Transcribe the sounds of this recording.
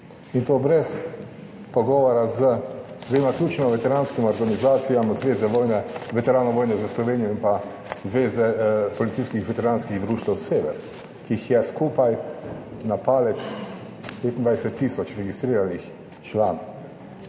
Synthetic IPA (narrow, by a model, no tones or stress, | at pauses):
int̪oːbɾɛs | pɔɡɔːʋɔɾazəd̪ʋeːmaklʲjuːt͡ʃnɔʋɛt̪ɛɾaːnskimɔɾɡanizaːt̪sijamzʋeːzɛʋɔjnɛʋɛt̪ɛɾaːnɔʋoːjnɛzəslɔʋeːnijɔimpa | zʋeːzɛpɔlit̪iːskixʋɛt̪ɛɾaːnskiɣd̪ɾuːʃt̪awseːʋɛ̰ɾ | kiixjɛskuːpaj | napaːlɛt̪s | pet̪ind̪ʋajsɛt̪ːiːsɔt͡ʃɾɛɡist̪ɾiːɾanix | t͡ʃlaːnɔw